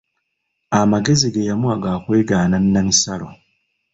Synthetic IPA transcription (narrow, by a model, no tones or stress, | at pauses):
amaɡe̞ziɡajamuaɡakweːɡaːnanːamisalo